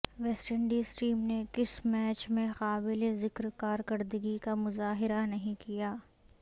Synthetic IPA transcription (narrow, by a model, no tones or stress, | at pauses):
ʋɛːsʈəɳɖiːsʈiːmnekɪsmɛːt͡ʃmẽxaːbɪlezɪkɾkaːɾkɐɾd̪əɡikamʊzaːɦɪɾanɐɦĩkijaː